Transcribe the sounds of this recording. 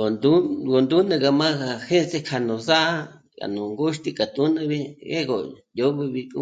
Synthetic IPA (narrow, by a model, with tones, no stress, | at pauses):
o˨nd̪u˦ɡo˨nd̪u˦nɨ̃˧ka˧mã˦ɣa˨he˦se˦˧kʰa˧˨nũ˨sa˦ʔa˦ | ka̰˨nũ˨ŋɡu˦ʃt̪i˦˧ka˨t̪u˦nɨ̃˧βi˦e˦ɣo˨ | jo˧˦βi˧βi˧kṵ˦